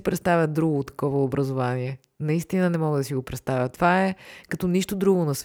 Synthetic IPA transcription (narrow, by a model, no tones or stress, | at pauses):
pɾɛt̪st̪avʲjəd̪ɾuɡoːt̪ːɐ̥kɔvəobɾɐzovaniɛ | nɐist̪inənɛmɔɡəd̪ɐsiɡopɾɛt̪st̪avʲət̪ovaɛkɐt̪ɔniʃt̪od̪ɾuɡonɐs